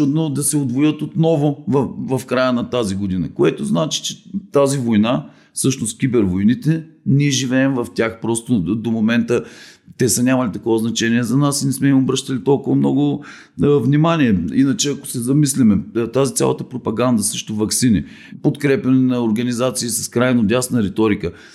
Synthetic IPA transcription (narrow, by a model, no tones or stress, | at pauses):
t͡ʃud̪nod̪ɐsɛod̪vojət̪ot̪nɔvʊvvɐfkɾajənɐt̪aziɡod̪inɐ̰koɛt̪oznat͡ʃi̥t͡ʃɛ̥t̪azivojna | fsɤʃnʊst̪kʲibɛɾvojnit̪ɛnʲiɛʒivɛːmvɐft̪ʲjaxpɾɔst̪od̪omomɛnt̪ət̪ɛsənʲamɐlit̪ɐkɔvəznɐt͡ʃɛniɛzɐnasnɛsmɛimobɾɤʃt̪ɐlit̪ɔlˠkʊvɐmnɔɡʊ | vnʲimaniɛinɐt͡ʃɛɐko̥sɛzɐmislimɛt̪azit̪sʲa̰lˠɐ̰t̪əpɾopɐɡand̪ɐsɤʃt̪ovɐksini | pot̪kɾɛpʲjɐnɛnɐoɾɡɐnizat̪siːsɐ̥skɾajnod̪ʲasnɐɾɛt̪ɔɾikə